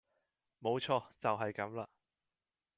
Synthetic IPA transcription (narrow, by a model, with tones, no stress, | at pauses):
mo˨˧wt͡ʃʰɔː˧t͡sɐ˨wɦɐ˨jkɐ˨˥mlaː˧